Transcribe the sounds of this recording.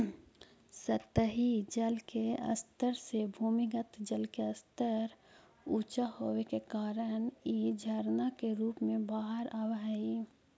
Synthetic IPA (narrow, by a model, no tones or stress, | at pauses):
sət̪əɦid͡ʒəlkeə̰st̪əɾsebʱuːmɪɡət̪d͡ʒəlkeəst̪əɾ | uːt͡ʃahowekekaːɾənjed͡ʒʱəɾnakeɾuːpmẽbaːɦəɾaːʋaɦi